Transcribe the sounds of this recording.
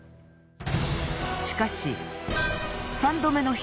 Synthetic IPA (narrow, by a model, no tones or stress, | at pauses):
ɕi̥kaɕḭ | sãnd̪o̞me̞no̞ç